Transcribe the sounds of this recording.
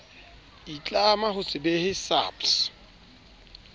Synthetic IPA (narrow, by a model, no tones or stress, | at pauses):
it͡ɬʼamaɦʊsʼɪbɛhɪsa̰ps